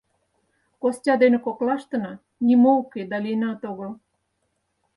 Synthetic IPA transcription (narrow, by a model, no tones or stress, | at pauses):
kostʲɑd̪enĕkoklɑʃt̪ə̆nɑ | nʲimouked̪ɑlinɑt̪oɣəl